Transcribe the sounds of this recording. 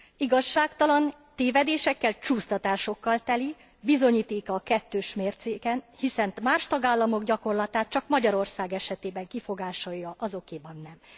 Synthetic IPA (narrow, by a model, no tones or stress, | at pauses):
iɡɒʃːaːkt̪ɒlɒn | t̪eːvɛd̪eːʃɛkːɛlt͡ʃuːst̪ɒt̪aːʃo̞kːɒlt̪ɛli | bizo̞ɲiːt̪eːkɒːkɛt̪ːøːʃmeːrt̪seːkɛnhisɛnt̪maːʃt̪ɒɡaːlːɒmo̞ɡɟɒko̞rlɒt̪aːt̪̚t͡ʃɒkmɒɟɒɾo̞rsaːɡɛʃɛt̪eːbɛŋkifo̞ɡaːʃɒjɒʔɒzo̞keːbɒnːɛm